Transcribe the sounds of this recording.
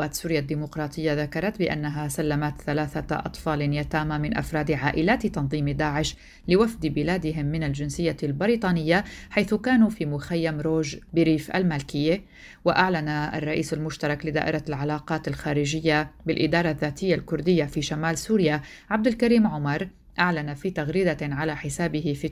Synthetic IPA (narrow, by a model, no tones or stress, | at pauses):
aːt̪suːɾjad̪ːiːmʊqɾˤɑːt̪ˤʰɨjːaðakɑɾˤɑt̪bɪʔa̰nːaɦasalːamat̪θalaːθaʔɑ̰t̪ˤfɑːlɪnjat̪aːmamɪnʔa̰fɾˤɑːd̪ʕaːʔɪlaːt̪t̪ɑnðˤiːmd̪aːʕɪʃ | lɪwafd̪bɪlaːd̪ɪɦɪmːɪnald͡ʒɪnsɪjːalbɪɾiːt̪ˤɑːnɪjːaħajθʊkaːnuːfiːmʊxajːamɾoːʒbɪɾiːfʔa̰lmaːlkɪjːe | waʔaʕlanaʔa̰rˤːɑʔiːsalmʊʃt̪ɑɾˤɑklɪd̪a̰ːʔɪɾˤalʕalaːqɑːt̪alxaːɾɪʒɪjːabɪlʔɪd̪ɑːɾˤɑðːaːt̪ɪjːalkʊɾd̪ɪjːafiːʃamaːlsuːɾja | ʕab̚d̪alkaɾiːmʕʊmɑɾˤ | ʔaʕlanafiːt̪aɣɾiːd̪aʕalaħɪsaːbɪhɪfi